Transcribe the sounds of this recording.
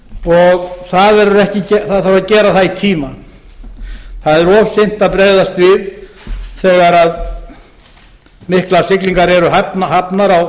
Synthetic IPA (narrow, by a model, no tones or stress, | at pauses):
ɔɣθaðɛɾʏɾɛhcɪcɛθaðθaɾvaðcɛːɾaθaðit̪ʰiːma | θaðɛɾɔːvsejn̥t̪aðpɾeːjðast̪vɪv | θɛːɣaɾað | mɪhklḁsɪkliŋkaɾɛɾʏɦapnɦapnaɾaw